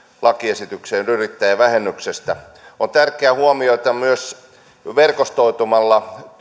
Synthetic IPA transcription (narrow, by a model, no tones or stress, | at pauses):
lɑkiesit̪ykseːnyrit̪ːæjɑʋæhenːyksest̪æ | ont̪ærkˑeæhuomioet̪ɑmyøs | ʋerkost̪oit̪umɑlːɑ